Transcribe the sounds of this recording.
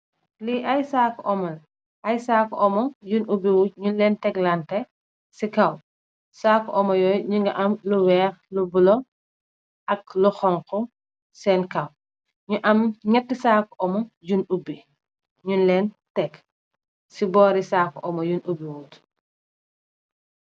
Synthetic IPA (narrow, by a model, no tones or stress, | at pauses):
liʔɐjsakːʔɔmɐl | ʔɐjsaːkɔʔɔmɔjunʔubiwuːt̚ɲunlɛntɛklantɛ | sikɐw | saːkʔɔmɐjɔːjɲuŋɡɐʔɐmluwɛːɾlubulɔ | ʔɐk̚luxɔŋkɔ | sɛːnkɐw | ɲuʔɐmɲɛtːisaːkːɔmɔjunubi | ɲunlɛːn | tɛk | sibɔːɾisaːkɔʔɔmɐjunʔubiwuːt